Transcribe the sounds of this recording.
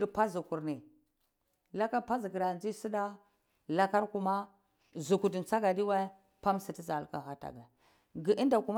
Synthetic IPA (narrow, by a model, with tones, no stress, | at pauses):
ɾpa˦zu˨ku˨ɾni˨ | la˦ka˦ɾpa˦zi˨ki˨ɾa˨d͡ʒi˦si˦da˦ | la˦ka˦ɾku˨ma˦ | zu˨ku˨di˨nt͡sa˦ɡa˨di˦wa˦ | pa˦msi˨ti˦za˨lka˨xa˨˦ta̰˨ɡa˨ | ɡi˨ʔi˦nda˨ku˨m˦